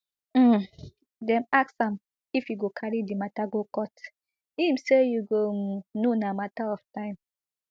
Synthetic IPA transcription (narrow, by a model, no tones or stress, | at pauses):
dɛ̃maksãm | ifjuɡokʰaɹidimataɡokɔt | imsejuɡononamataɔftãɪ̃m